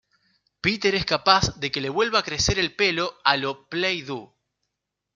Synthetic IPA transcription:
pit̪e̞ɾeskapazðe̞ke̞le̞βwe̞lβaːkɾe̞se̞ɾe̞lpe̞lo̞aloplejðu

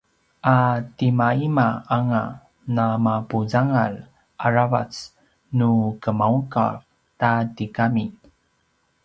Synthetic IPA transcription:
ʔatimaimaaŋa | namapuzaŋal | ʔaɾava̰t͡s | nukəmauŋka̰v | tatikami

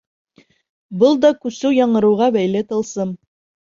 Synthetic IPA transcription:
bɤlˠd̪ɒkʉsʉwjɑɴɤ̆ɾɤ̆wʁɑbæjlɘt̪ɤ̆lˠsɤm

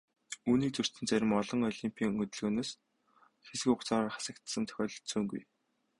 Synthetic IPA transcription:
uːniːk̚t͡sɵr̥t̪ɘ̆nt͡sæɾʲɪ̆mɔɮɞ̆ŋɔɮimpʲʰiːŋɵt̪ɵ̆ɮɣɵːnoːs | xesɘ̆kʊχt͡saːɾarχḁsə̆kt̪sə̆mt̪ʰœ̥xʲɔːɮɞ̆ɬt̪suːŋɡṵj

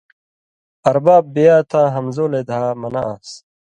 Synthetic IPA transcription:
ɐɾbaːbːejaːt̪ʰãːɦɐmzoːleːd̪ʱaːmɐna̰ʔa̰s

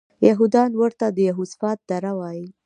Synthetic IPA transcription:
jaɦud̪ɑnwəɾt̪ad̪əjaɦusfɑt̪̚d̪aɾawɑji

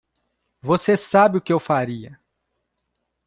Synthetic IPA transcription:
vosesabɪʊkɪewfaɾiɐ

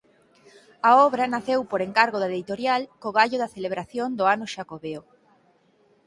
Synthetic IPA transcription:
aɔβɾɐnaθewpoɾeŋkaɾɣoðaðit̪oɾjalkoɣaʎoðɐθeleβɾaθjond̪ʊanʊʃakoβeo

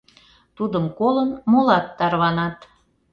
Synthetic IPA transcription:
t̪ud̪əmkolənmolɑt̪ːɑrβɑnɑt̪

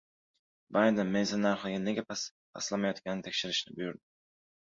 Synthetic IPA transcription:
bajd̪ɛnmejzanːaɾχlˠɪɡʲaneɡʲapʰas | pʰa̰slˠamajɒt̪kʲannɪt̪ʰekʲʃɪɾɪʃnɪbujyɾd̪ɪ

